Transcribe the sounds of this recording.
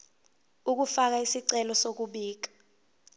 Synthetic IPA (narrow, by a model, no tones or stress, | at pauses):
uk̬ufak̬aisiǀɛlɔsok̬uɓiːk̬ḁ